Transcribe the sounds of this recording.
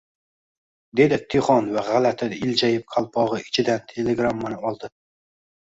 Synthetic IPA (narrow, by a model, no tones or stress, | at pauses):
d̪e̞d̪ɪt̪ʰːeχɒnvaʁalat̪ʰɪd̪ɪld͡ʒajɪp̚qʰalˠpʰɒʁɨɪt͡ʃʰɪd̪ant̪ʰe̞leɡɾamːanɪɒlˠd̪ɪ